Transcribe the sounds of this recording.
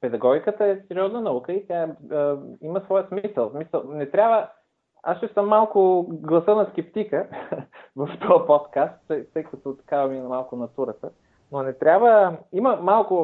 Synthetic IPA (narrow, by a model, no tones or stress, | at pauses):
pɛd̪ɐɡɔɡʲikət̪əɛsɛɾiɔznənɐukəit̪ʲjaɛ | iməsvɔjəsmisəlˠsmisəlˠnɛt̪ɾʲabvə | asʃɛsəmːalˠkʊɡlˠɐsɤnɐskɛpt̪ikə | vɐft̪ɔjɐpot̪kast̪t̪ət̪əjkət̪ot̪i̥kavɐmiɛnɐmalˠkʊnɐt̪uɾət̪ə | nonɛt̪ɾʲabvəiməmalˠkʊ